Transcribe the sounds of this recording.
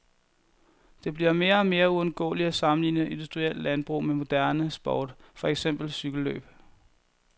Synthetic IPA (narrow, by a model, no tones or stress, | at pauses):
d̥e̝b̥liɐme̝ːɐɒme̝ːɐuɔ̽nɡ̥ɔ̰̽ːliæsɑ̈mn̩lḭːnəʔe̝nd̥usd̥ʁiel̰d̥lænb̥ʁṵːmemo̝d̥æɐnəsb̥ɒːd̥fɒ̽eɡ̥sem̰b̥l̩syɡ̥l̩ːø̰ːb̥